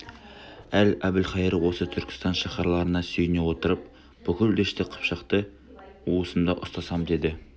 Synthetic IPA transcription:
ælæbɪlχɑjəɾəwo̞sət̪ʰʏɾkʲɪ̥st̪ɑnʃɑχɑɾlˠɑɾənɑsɵjɪnewo̞t̪əɾəp̚ | b̥ʏkʲɪld̪eʃt̪ɪqʰə̥pʃəqt̪ə | uəsəmd̪ɑʔʊst̪ɑsɑmd̪e̞d̪ɪ

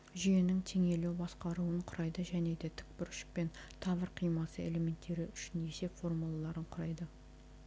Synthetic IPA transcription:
ʒijenɪŋt̪ʰe̞ŋe̞lewbɑsqɑɾuəɴqʰʊɾɑjd̪əʒæne̞d̪e̞t̪ʰʏ̥k̚pɪɾʃɪ̥k̚pe̞n | t̪ʰɑβəɾqʰijmɑsəe̞̰le̞me̞nt̪ːe̞ɾɪʏʃɪne̞se̞pfo̞rmulˠalˠɑɾəɴqʰʊɾɑjd̪ə

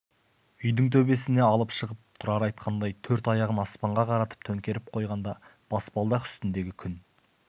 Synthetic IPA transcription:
ʏjd̪ɪŋt̪ʰɵbe̞sɪne̞ɑlˠəpʃəʁəp̚t̪ʰʊɾɑɾɑjt̪qʰɑnd̪ɑjt̪ʰɵɾt̪ɑjɑʁənɑspɑɴʁɑqʰɑɾɑt̪ə̥p̚t̪ʰɵŋkʲe̞ɾɪp̚qʰo̞jʁɑnd̪ɑb̥ɑsbɑlˠd̪ɑqʏ̥st̪ɪnd̪e̞ɡʲɪkʲʰʏn

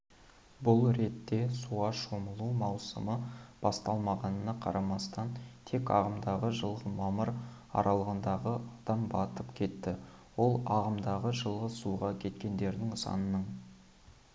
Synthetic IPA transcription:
bʊlˠɾe̞t̪ːe̞suɑʃo̞məlˠumɑwsə̰məb̥ɑst̪ɑlˠmɑʁɑnənɑqʰɑ̰ɾʔɑmɑst̪ɑnt̪ʰe̞kɑ̰ʁəmd̪ɑʁəʒəlˠʁəmɑməɾ | ɑ̰ɾʔɑlˠəʁənd̪ɑʁəɑd̪̥ɑmbɑt̪əpkʲʰe̞t̪ːɪ | wo̞lˠɑʁəmd̪ɑʁəʒəlˠʁəzsuʁɑkʲʰe̞t̪kʲe̞nd̪e̞ɾd̪ɪŋsɑ̰nənəɴ

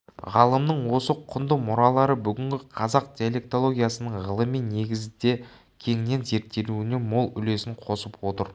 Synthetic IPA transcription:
ʁɑlˠəmnəɴwo̞səqʰʊnd̪əmʊɾɑlˠɑɾəbʏɡʲɪŋɡʲɪqʰɑzɑq̚d̪ʲiole̞k̚t̪o̞lˠo̞ɡʲijasənəɴʁəlˠəmijnːe̞ɡʲɪzɪd̪e̞ | kʲʰe̞ŋne̞nze̞ɾt̪ʰːe̞luɪne̞mo̞lˠʏle̞sɪɴqʰo̞səpwo̞t̪əɾ

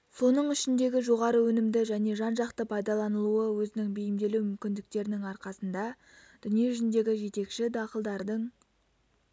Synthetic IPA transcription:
so̞nəɴʏʃɪnd̪e̞ɡʲɪʒo̞ʁɑɾəwɵnɪmd̪ɪʒæne̞ʒɑnʒɑqt̪əpʰɑjd̪ɑlˠɑnəlˠuəwɵzɪnɪŋbejɪmd̪e̞luwmʏmkʲɪnd̪ɪk̚t̪e̞ɾɪnɪŋɑɾqɑsənd̪ɑ | d̪̥ʏnije̞ʏʒɪnd̪e̞ɡʲɪʒe̞t̪e̞kʃɪd̪ɑqəlˠd̪ɑɾd̪əɴ

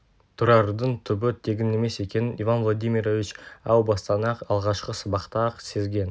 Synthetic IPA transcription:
t̪ʰʊɾɑɾd̪əɴt̪ʰʏbɪt̪ʰe̞ɡʲɪnːe̞me̞se̞kʲe̞nɪnivanvlˠod̪ʲijmʲiɾovʲit͡ʃɑwbɑst̪ɑnɑqɑlˠʁɑʃqəsəbɑqt̪ɑqse̞zɡʲe̞n

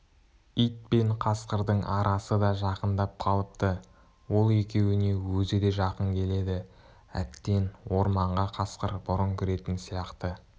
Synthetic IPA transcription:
ijt̪̚pe̞ɴqʰɑsqəɾd̪əɴʔɑɾʔɑsəd̪ɑʒɑqənd̪ɑp̚qʰɑlˠəp̚t̪ə | wo̞lˠe̞kʲe̞wɪne̞wɵzɪd̪e̞ʒɑqəŋkʲʰe̞le̞d̪ɪ | æ̰t̪ːe̞nwo̞ɾmɑɴʁɑqʰɑsqəɾbʊɾəŋkʲʰʏɾe̞t̪ɪnsijɑqt̪ə

